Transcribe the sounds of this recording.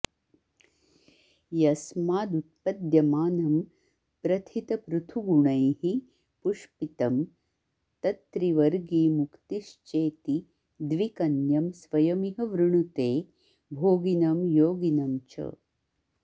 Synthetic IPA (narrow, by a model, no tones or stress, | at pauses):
jɐsmaːd̪ut̪̚pɐd̪jɐmaːnɐm | pɾɐt̪ʰit̪ɐpɾut̪ʰuɡuɳɐjhi | puʂpit̪ɐm | t̪ɐt̪ɾiʋɐɾɡiːmukt̪iʃt͡ʃeːt̪i | d̪ʋikɐnjɐmsʋɐjɐmiɦɐʋɾuɳ̃ut̪eː | bʱoːɡinɐmjoːɡinɐmt͡ʃɐ̰